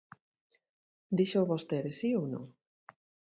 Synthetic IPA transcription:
d̪iʃoβost̪eðesiownõ̰ŋ

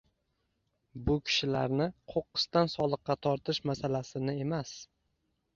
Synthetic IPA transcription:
bʊkʲʰɪ̥ʃɪlaɾnɪqʰoqːɨ̥st̪ansɒlˠɨqːɑt̪ʰɒɾt̪ʰɪʃmasalasɪnɪe̞mas

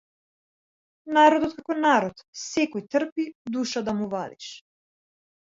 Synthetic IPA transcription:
naɾɔd̪ɔt̪̚kakɔnaɾɔt̪sɛkɔjt̪r̩pid̪uʃad̪amuvad̪ḭʃ

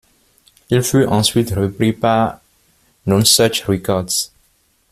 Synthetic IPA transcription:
ilfyʔɑ̃sɥit̪ʁəpɾipaʁ | nɔ̃nsɛt͡ʃʁikɔʁd̪s

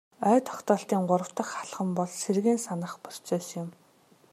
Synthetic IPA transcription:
œːt̪ʰɔ̥kt̪ɔːɬt̪iːŋɢʊɾə̆w̥t̪ə̆χaɮχə̆mpɔɮserɣeːnsanə̆χpʊr̥t͡sɔːsjʊm

